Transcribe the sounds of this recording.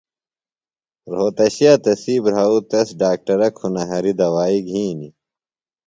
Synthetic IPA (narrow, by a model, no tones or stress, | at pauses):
ɾoːt̪ɐɕijaːt̪ɐsiːbɾaːut̪ɐsɖaːk̚ʈɐɾɐkʰunɐɦɐɾid̪ɐwaːiɡʱiːni